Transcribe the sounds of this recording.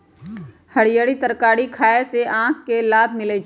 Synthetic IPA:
həɽijəɽit̪əɾkaːɽikʰaːeseʔãːkʰkelaːbʱmɪled͡ʒ

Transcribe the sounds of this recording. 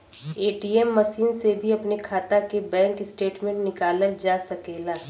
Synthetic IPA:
eːʈiːɛmːɐʃiːnsebʱiɐpnekʰaːt̪akebɛ̃ːŋkɪsʈeːʈmẽɳʈnɪkaːləld͡ʒaːsɐkeːlaː

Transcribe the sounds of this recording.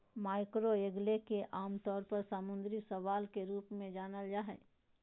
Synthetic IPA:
maːɪkɾoeɡlekeʔaːmt̪ɔːɾpɐɾsaːmʊ̃nd̪ɾisɐʋaːlkeɾuːpmẽd͡ʒaːnəld͡ʒaːɦɛː

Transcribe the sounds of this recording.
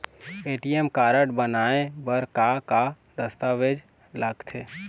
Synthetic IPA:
eːʈiemkaːɾəʈbənaẽbəɾkaka | d̪əst̪aʋed͡ʒ | ləɡt̪ʰe

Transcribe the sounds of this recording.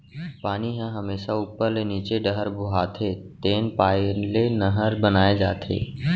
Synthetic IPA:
paːniɦɛ̃ɦɐmeːʃauːpːəɾleniːt͡ʃeɖəɦəɾbʱʊɦaːt̪ʰet̪eːnpaːlenəɦəɾbənaːed͡ʒaːt̪ʰḛː

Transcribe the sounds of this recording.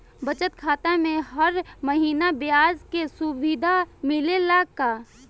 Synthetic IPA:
bət͡ʃət̪kʰaːt̪amẽɦəɾməɦiːnabɪjaːzkesʊʋid̪ʱamɪlelaːɡkaː

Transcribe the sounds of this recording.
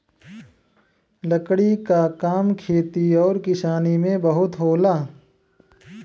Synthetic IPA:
ləkɽikakaːmkʰeːt̪iɔːɾkɪsaːnimẽbɐɦʊt̪ɦoːlaː

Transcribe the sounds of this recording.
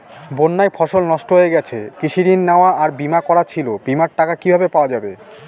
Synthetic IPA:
bonːajfʰɔʃolnɔʃʈoɦoeɡɛt͡ɕʰekiʃiɾinːaoaʔaɾbimakɔɾat͡ɕʰilobimaɾʈakakibʱabepaoad͡ʑabe

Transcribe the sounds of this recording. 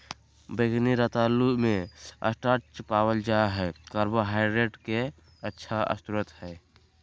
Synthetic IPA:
bəɡniɾat̪alːumẽə̰sʈaɾt͡ʃpawəld͡ʒaɦɛkəɾbəɦaɪɾeʈke | ətːʃʰaə̰st̪uɾət̪hɛː

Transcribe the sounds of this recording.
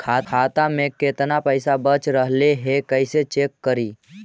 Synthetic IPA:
kʰakʰat̪amẽket̪napəɪsabət͡ʃɾəɦleɦekəɪset͡ʃekːəɾiː

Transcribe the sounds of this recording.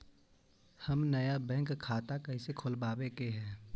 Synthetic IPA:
həmnəjabɛ̃ːŋkʰːaːt̪akəɪsekʰolbaːbekeɦɛ̃ː

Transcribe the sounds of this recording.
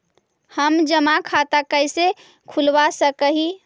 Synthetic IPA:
həmd͡ʒəmakʰat̪akəjse | kʰulʋasəkəɦi

